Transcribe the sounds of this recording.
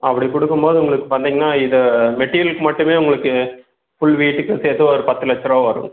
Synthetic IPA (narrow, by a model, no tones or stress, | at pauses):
ʔɐpːɐɽikʊɽɯkːɯmboːðɯʊŋɡɐɭɯkːɯpɐnd̪iːŋɡɐnaːɪðɐmɛʈːiɾjɐlkːɯmɐʈːɯmeːʊŋɡɐɭɯkːɯ | fʊɭʋiːʈːɯkːɯseːt̪ːɯɔɾɯpɐt̪ːɯlɐt͡ʃːɐɾɐːʋɐɾɯ̰̃